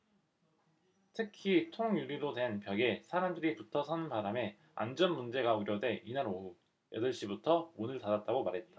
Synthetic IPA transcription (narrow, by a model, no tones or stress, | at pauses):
tʰɯkʰitʰoŋuɭːiɾodwe̞npjʌɡe̞sʰaɾamdɯɾiputʰʌsʰʌnpaɾame̞ | a̰nd͡ʑʌnmund͡ʑe̞ɡaoɾjʌde̞ʔinaɾo | jʌ̰dɯɭɕ͈ibutʰʌonɯɭtadat̚t͈aɡomaɾɦe̞t̚t͈ḁ